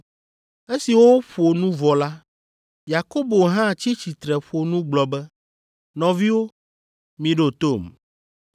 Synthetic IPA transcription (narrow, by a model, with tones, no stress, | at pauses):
e˦si˨wo˦wo˦ɸo˨nũ˦vɔ˨la˦ | ja˨ko˦bo˨ɦã˦˨t͡ɕi˦t͡ɕi˨t̪ɾɛ˨ɸo˨nũ˦ɡ͡blɔ˨bɛ˦ | nɔ̃˨vi˦wo˦ | mĩ˨ɖo˦t̪o˦˨m